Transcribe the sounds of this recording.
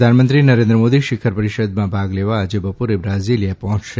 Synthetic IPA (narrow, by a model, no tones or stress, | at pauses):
anmənt̪ɾinəɾẽnd̪ɾəmod̪iʃɪkʰəɾpəɾiʃəd̪mãbʱaɡleʋad͡ʒebəpuɾebɾazilijapɔɦɔ̃t͡ʃʃe